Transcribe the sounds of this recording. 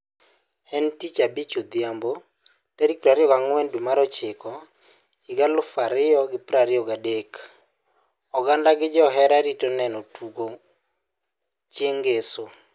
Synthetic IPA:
ɛntit͡ʃabit͡ʃod̪jambo | taɾik̚pɾaɾɪɔɡaŋwɛndwimaɾɔt͡ʃɪkɔ | iɡalʊfaɾɪɔɡɪpɾaɾɪɔɡadek | ɔɡandaɡɪd͡ʒɔɦɛɾaɾitɔnɛnɔtʰuɡo | t͡ʃeŋɡeso

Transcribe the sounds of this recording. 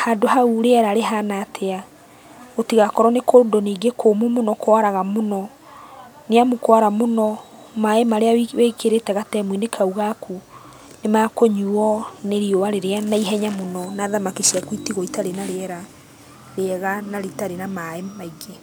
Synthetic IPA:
haːdohauɾeɛɾaɾeɦanaːtʰea | otiɣakɔɾɔnekodoneːɡekʰoːmumonɔkwaɾaɣamonɔ | neamukwaɾamonɔ | maemaɾeawiweikeɾetɛɣatɛmwinekʰauɣakʰu | nemakoɲuɔneɾiowaɾeɾeanaiɦɛɲamonɔnaːðamakiʃiakwitiɣɔitaɾenaɾeɛɾa | ɾeɛɣanaɾitaɾenamaemaiɡe

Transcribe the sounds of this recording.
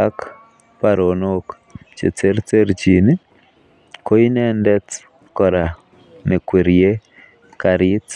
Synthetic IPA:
ak | paɾonok | t͡ʃet͡seɾt͡seɾt͡ʃini | koinɛndɛt͡s | kɔɾa | nekweɾie | kaɾit

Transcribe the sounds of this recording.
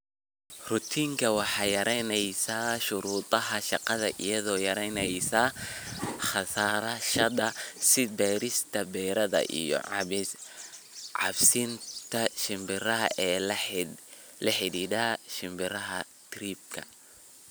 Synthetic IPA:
rʊt̪ʰiːŋkʰɐwɑħɑːjɐɾʔɛnɛjsaːʃʊɾuːt̪ˤʼɐɦɐʃɑqɑðɐʔḭjɐðɔːjɐɾɛjnɛjsa | χɑsaːɾɐʃɐðɐsɪbɛːɾɪst̪ʰɐbɛːɾɐðɐ̰ʔḭjɔ̰ʕ | ʕɑ̰bsɪnt̪ʰɐʃɪmbɪɾɐɦɐɛːl | lɐħɪdiːðaːʃɪmbɪɾɐɦɐ | t̪ʰriːb̚kʰɐ̰

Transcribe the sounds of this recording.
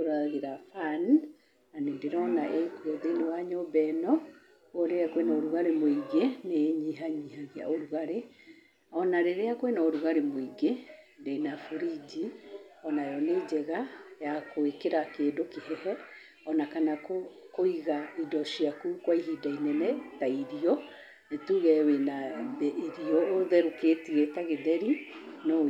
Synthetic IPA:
oɾaɣeɾafan | nanendeɾɔnaʔekwɛðenewaɲɔbɛnɔ | ɔɾeɾakwenaoɾuɣaɾemoiɡeneɲiɦaɲihaɣia̰oɾuɣaɾe | ɔnaɾeɾeakwenaoɾuɣaɾemoiɡe | ndenafuɾid͡ʒiɔnajɔned͡ʑɛɣajakoekeɾakeːdokehɛhɛ | ɔnakanakkoiɣaidɔʃiakukwaiɦidainɛnɛtaiɾiɔ | netuɣɛwenabɛʔeɾiɔoðɛɾoketiɣɛtaɣedɛɾinɔ

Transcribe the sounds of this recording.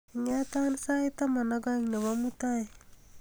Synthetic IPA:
ŋat̪ansajtamanaɡaŋneβamutaj

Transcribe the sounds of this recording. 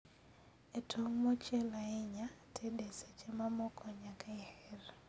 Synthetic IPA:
etʰoŋmɔt͡ʃelaeɲatʰeɗeset͡ʃemamɔkʰɔɲakaehɛr

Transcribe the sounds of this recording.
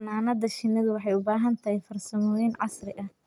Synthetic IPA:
naːnɐðɐʃɪnːɐðʊwɑħɑjʊbaːɦɐnt̪ʰɐhɛjfɐrsɐmɔːjɛnʕɑ̰srɪʔɐh

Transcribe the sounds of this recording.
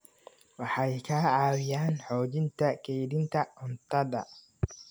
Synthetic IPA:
wɑħɑjkʰaːʕaːwɪjaːnħɔːd͡ʒɪnt̪ʰɐkʰɛjd̪ɪnt̪ʰɐʔʊnt̪ɐd̪ɐ

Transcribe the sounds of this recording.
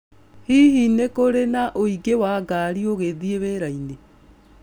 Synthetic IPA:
hiɦinekoɾenaʔoiɡewaːɡaɾioɣeðieβeːɾaine

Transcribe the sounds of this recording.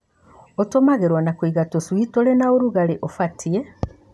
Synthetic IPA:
otomaɣeɾwanakwiɣatoswitolenaoɾuɣaleʔofatʰie

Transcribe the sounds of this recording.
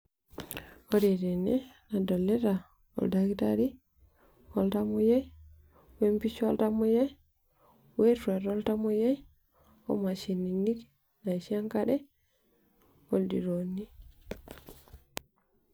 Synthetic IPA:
oɾiɾenḛnadolːeɾa | o̰ldaɡitaɾi | oltamuje | wempit͡ʃoltamuje | wetuaɾoltamuje | o̰maʃininik | naʃiaŋkadɛ | oldḭɾoni

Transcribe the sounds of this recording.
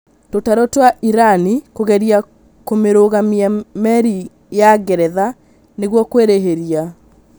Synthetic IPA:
totaɾɔtwaʔiɾanikoɣɛɾia | komeɾoɣamiamɛɾi | jaɡɛɾɛða | neɣwɔkweɾeɦeɾia

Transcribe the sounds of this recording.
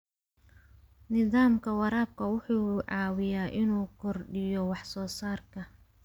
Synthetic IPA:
nɪðaːmkʰɐwɑɾaːb̚kʰɐwʊħuːʕɑːwɪjaːʔɪnuːkʰɔrɖɪjɔwɑħsɔːsaːrkʰɐ

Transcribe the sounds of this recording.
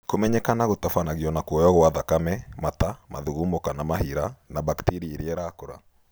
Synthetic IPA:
komɛɲɛkanaɣotafanaɣiɔnakwɔjɔɣoaðakamɛmatama̰ðuɣumokanamahiɾanabaktiɾieɾiɛɾakoɾa̰

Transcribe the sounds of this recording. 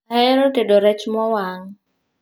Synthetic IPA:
hɛɾotɛdɔɾɛt͡ʃmɔwaŋ

